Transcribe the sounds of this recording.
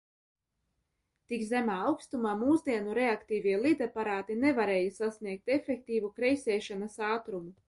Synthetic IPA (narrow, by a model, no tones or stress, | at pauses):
t̪ikzæmaːawkst̪umaːmuːzd̪iɛnuɾeakt̪iːviɛlˠid̪apaɾaːt̪inevaɾeːjasasniɛk̚t̪efʲɛk̚t̪iːvukɾɛjsʲɛːʃanasaːt̪ɾumu